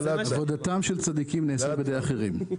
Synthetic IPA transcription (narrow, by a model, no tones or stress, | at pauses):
avod̪at̪amʃelt͡sad̪ikimneːsabed̪ejaχeʁim